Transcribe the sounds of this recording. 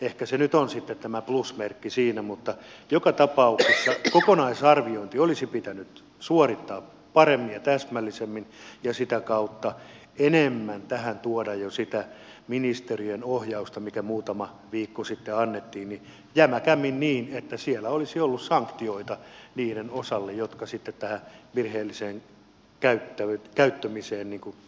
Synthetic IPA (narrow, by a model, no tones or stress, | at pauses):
ehkæsenyt̪onsit̪ːet̪t̪æmæplusmerkːisiːnæmut̪ːɑjokɑt̪ɑpɑuksesːɑkokonɑisɑrʋioint̪iolisipit̪ænyt̪ | suorit̪ːɑː | pɑremːinjɑt̪æsmælːisemːinjɑsit̪ækɑut̪ːɑ | enemːænt̪æhænt̪uodɑjjosit̪æminist̪erienohjɑust̪ɑmikæmuːt̪ɑmɑ | ʋiːkːosit̪ːeɑnːet̪ːiːnni | jæmækæmːinniːnet̪ːæsielːæolisiolːussɑŋkt̪ioit̪ɑniːɾenosɑlːejjot̪kɑsit̪ːet̪t̪æhæʋirheːlːiseːŋ | kæyt̪ːækæyt̪ːømiseːnniːŋku